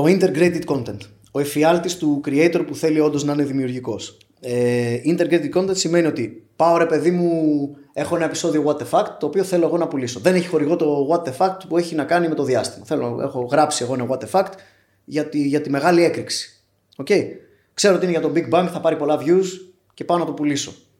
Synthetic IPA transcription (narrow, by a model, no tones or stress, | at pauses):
oint̪e̞ɾɡɾet̪it̪̚ko̞nt̪ent̪ | o̞efiɐlt̪ist̪ukɾieit̪o̞ɾpuθe̞lio̞nd̪o̞znɐine̞ðimiuɾʝiko̞s | eint̪e̞ɾɡɾet̪it̪ko̞nt̪ent̪sime̞nio̞t̪ipao̞ɾe̞pe̞ðimue̞xo̞e̞nɐe̞pi̥so̞ðio̞ɣwɐt̪e̞fɐkt̪ːoːpioθe̞lo̞e̞ɣo̞nɐpuliso̞ðe̞neçi̥xo̞ɾiɣo̞t̪o̞ɣwɐt̪e̞fɐk̚t̪pue̞çinɐkɐnime̞t̪o̞ðiɐst̪imɐθe̞lone̞̰xo̞ɣɾɐpsie̞ɣo̞inɐɣwɐt̪e̞fɐkt̪ | ʝɐt̪iʝɐt̪ime̞ɣɐlie̞kɾiksi̥ | o̞ce̞i | kseɾoot̪iinʝɐt̪o̞mbiɡ̚bɐŋkθɐpɐɾipo̞lɐvʝus | ce̞paonɐt̪opuliso̞